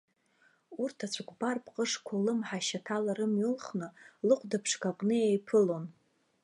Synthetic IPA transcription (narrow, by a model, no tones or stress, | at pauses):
urtʰat͡ɕʷʰakʷbarpʰʼqʼəʂkʷʰalɨmħaʃatʰalaɾɨmɥʏlχnɨlɨqʷʰʼdapʰʂkaqʼnɨjajpʰɨlo̞n